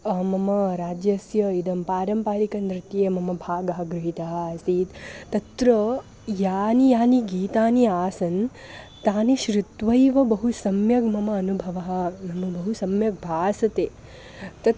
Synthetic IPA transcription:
ɐmɐmɐɾaːd͡ʒjɐsjɐid̪ɐmpaːɾɐmpaːɾikɐnd̪ɾɪt̪jeːmɐmɐbʱaːɡɐɦɐ̆ɡɾɪɦit̪ɐɦɐːsiːt̪t̪ɐt̪ɾɐ | jaːnijaːniɡiːt̪aːniaːsɐn | t̪aːniʃɾut̪ʋɐjʋɐbɐɦusɐmjɐɡmɐmɐːnubʱɐʋɐɦɐ̆nɐmɐbɐɦusɐmjɐɡ̚bʱaːsɐt̪eː | t̪ɐt̪

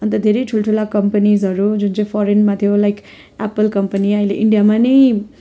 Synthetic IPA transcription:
ʌnt̪ʌd̪ʱeɾʌjʈʰulʈʰulakʌmpanizʌɾud͡zunt͡sʌĩj̃pʰɔɾenmat̪ʰjolajk | apəlkʌmpʌniʌɦileʔiɳɖijamanʌj

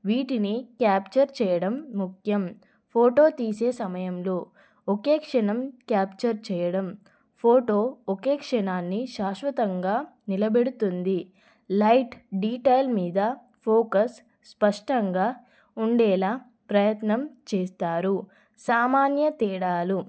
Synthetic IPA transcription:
ʋiːʈinikjaːpt͡ʃɐɾt͡ʃɛːjɐɽɐmːukʰjɐm | pʰoːʈo̞ːt̪iːse̞ːsɐmɐjɐmloː | okeːkʂɐnɐmkjaːpt͡ʃɐɾt͡ʃɛːjɐɽɐm | pʰoːʈoːokeːkʂɐɳaːnːiʃaːʃʋɐt̪ɐŋɡaːnilɐbeɽut̪und̪i | lɐjʈɖiːʈɐjlmiːd̪ɐ | pʰoːkɐs | spɐʂʈɐŋɡaː | uɳɖɛːlaː | pɾɐjɐt̪nɐmt͡ʃeːst̪aːɾu | saːmaːnjɐt̪ɛːɽaːlu

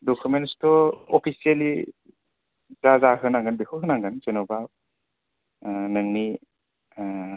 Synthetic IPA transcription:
dɔkʰumenstɔɔpʰisiali | zazaɦɯnaŋɡɯnbekʰɔkʰɯnaŋɡɯnt͡ʃenɔba | nɯŋni

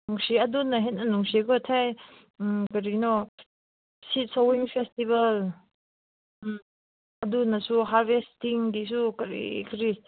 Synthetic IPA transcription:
nuŋsiɐdunaɦet̚nanuŋsiɡɔtʰaj | kɐɾinɔ | sit̚sawiŋpʰestibɐl | ɐdunasuɦaɾbestiŋdisukɐɾḭkɾi

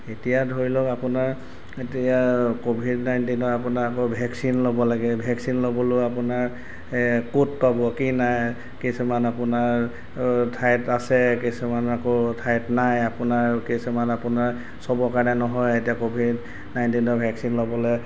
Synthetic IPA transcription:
etijadʱoɹilɔapʊnaɹ | etijakobʱidnajntinɔɹap̬ʊnaakɔbʱɛksinlobɔlaɡɛbʱɛksinlobɔloapʊnaɹ | kut̚pabɔkinaj | kisumanapʊnaɹ | tʰajtasɛkisumanakotʰajtnajapʊnaɹkisumanapʊnaɹ | sɔbɔkaɹnɛnɔɦɔjetijakobʱid | najntinɔbʱɛksinlobɔlɔ

